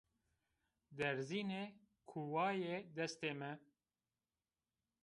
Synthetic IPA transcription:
d̪ɛɾziːne | kʰuwɑːjed̪ɛst̪eːmɛ

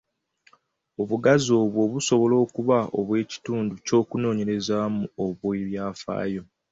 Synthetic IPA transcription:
oβuɡazo̞ːβwo̞ːβuso̞βo̞lo̞ːkuβao̰βwe̞ːci̥tuːnduco̞ːkuno̞ːɲe̞ɾe̞zamuoβweβjaːfa̰ːjo̞

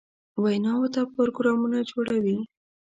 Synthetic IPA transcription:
wajnɑwəɾt̪apoɾoɡɾɑmunad͡ʒoɽawi

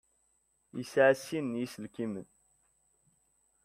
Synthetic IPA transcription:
jḭsʕsinːjisəlkimən

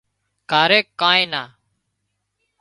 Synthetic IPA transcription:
kaːɾeːkːãːẽːnaː

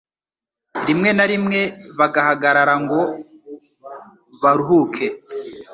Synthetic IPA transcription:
ɾimŋe̞naɾimŋe̞βaɡahaɡaɾaɾaŋɡo̞ | βaɾuɦukʰe

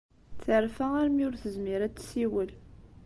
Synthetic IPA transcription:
θəɾfææɾmiʊɾθəzmiɾæt͡sːsiwəl

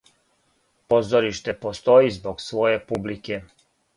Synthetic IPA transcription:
pozɔɾiʃt̪ɛpost̪oːjizbɔksʋɔːjepublikɛ

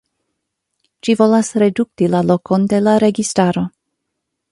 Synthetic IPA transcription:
ʃivo̞lasɾe̞duk̚tilalo̞ko̞nde̞laɾe̞ɡistaɾo̞

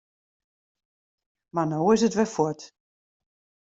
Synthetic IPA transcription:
manoːɪsətʋɛfwɔt

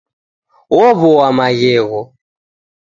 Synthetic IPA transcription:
wɔβɔwamaɣɛɣɔ

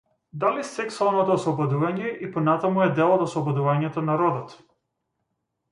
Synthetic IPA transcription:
d̪alisɛksualˠnɔt̪ɔːslˠɔbɔd̪uvaɲɛʔipɔnat̪amuɛd̪ɛlˠɔt̪ɔslˠɔbɔd̪uvaɲɛt̪ɔnaɾɔd̪ɔt̪

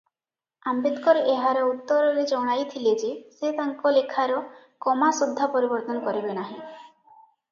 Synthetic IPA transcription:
ambit̪kɔɾeeɦaɾeut̪ːɔɾɔɾed͡ʒɔɽ̃ajt̪ʰiled͡ʒeset̪aŋkɔlekʰaɾɔ | kɔmasud̪ʱːapɔɾibɔɾt̪ɔnɔkɔɾibenaɦĩ

